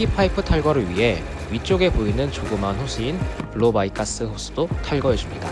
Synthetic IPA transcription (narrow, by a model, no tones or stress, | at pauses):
ipʰaipʰɯtʰaɭɡʌɾɯɭɥiɦe̞ | ɥit͡ɕ͈oɡe̞poinɯnt͡ɕoɡɯmanɸosʰɯinpɯɭobaikʰas͈ɯhos͈ʰɯ̥d̥otʰaɭɡʌjʌd͡ʑumɲida̰